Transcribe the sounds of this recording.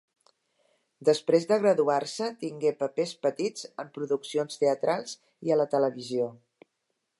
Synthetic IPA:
d̪əspɾezðəɣ̞ɾəðuarsət̪iŋɡepəpespət̪id͡zəmpɾuðuksionst̪eət̪ɾalˠz | iələt̪ələβizio

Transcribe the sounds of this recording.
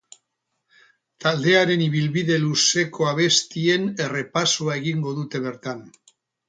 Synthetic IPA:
t̪ald̪e̞aɾe̞niβ̞ilβiðe̞luse̞kʰo̞aβ̞e̞st̪ie̞ne̞re̞pasoae̞ɣiŋɡo̞ðut̪e̞βe̞ɾt̪an

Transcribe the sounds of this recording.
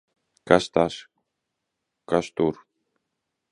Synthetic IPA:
kast̪as | kast̪uɾ

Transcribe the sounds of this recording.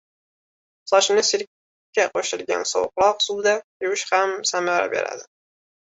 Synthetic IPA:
sɒʃnɪsɪɾʲː | aqʰoʃɪlɡʲa̰nsɒ̰wqlˠɒqsud̪ajɪwɪʃhamsamaɾa̰bḛɾa̰d̪ɪ

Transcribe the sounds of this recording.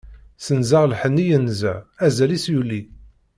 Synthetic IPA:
sənzaʁlħənːijənzæ̰æzælisjulːi

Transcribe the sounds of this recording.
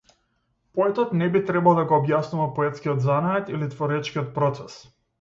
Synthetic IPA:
poɛt̪ɔt̪nɛbit̪ɾɛbalˠd̪aɡɔːbjasnuvapɔɛt̪skʲiɔd̪zanaɛt̪ilit̪vɔɾɛt͡ʃkiɔt̪̚pɾɔt̪sɛs

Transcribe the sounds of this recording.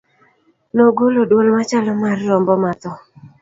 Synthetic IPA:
noɡolodwolmat͡ʃalɔmarːɔmbɔmat̪ɔ

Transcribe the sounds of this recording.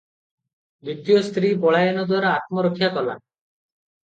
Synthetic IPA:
d̪it̪ijost̪ɾibɔɭajɔnɔd̪waɾɔat̪̚mɔɾɔkʰijakɔla̰

